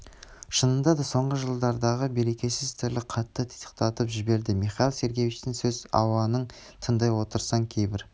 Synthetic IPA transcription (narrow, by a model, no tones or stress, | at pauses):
ʃənənd̪ɑd̪ɑso̞ɴʁəʒəlˠd̪ɑɾd̪ɑʁəbe̞ɾe̞kʲe̞sɪzt̪ʰɪɾlɪqʰɑt̪ːət̪ʰt̪ʰə̥q̚t̪ɑt̪əpʒɪbe̞ɾd̪ɪmiχɑlˠse̞ɾɡʲe̞vit͡ʃt̪ɪŋsɵzɑ̰wɑnəɴ | t̪ʰənd̪ɑjwo̞t̪əɾsɑŋkʲʰe̞jbɪɾ